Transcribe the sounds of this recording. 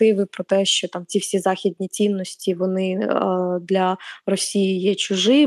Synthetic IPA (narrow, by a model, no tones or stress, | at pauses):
ɪʋɪpɾɔt̪ɛʃt͡ʃɔt̪ɑmt͡sʲiwsʲizɑxʲid̪ʲnʲit͡sʲinːɔsʲtʲiʋɔnɪ | d̪lʲɐrɔsʲijɪjɛt͡ʃʊʒɪ